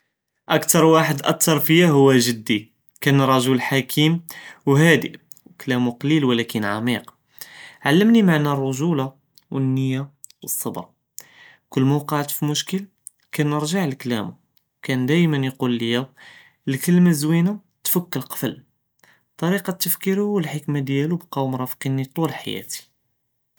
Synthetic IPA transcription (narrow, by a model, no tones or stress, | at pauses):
ʔækt̪ɑɾˤwaħəd̪ʔæk̚t̪ʰɑɾˤfijæɦʊwːæʒəd̪ːi | kænːɾˤɑʒʊlħakʰimwɦæd̪iʔ | wklæmuqɑlilwəlækənʕɑ̰miq | ʕalːəmnimaʕnærˤːʊʒula | wənːəjːawəsˤːɑbɾˤɑ | kʊlːmowqɑʕt̪fimʊʃkəl | kænːəɾʒaʕəlklæ̰mu | kænd̪æjmənjqulːəjæ | lkəlmazwina | t̪fəkːəlqɑ̥fəl | t̪ˤːɑɾiqɑt̪ːəfkiɾhuːəlħəkmad̪jælubqɑwmɾˤɑfqinit̪ˤulħa̰jæ̰t̪i̥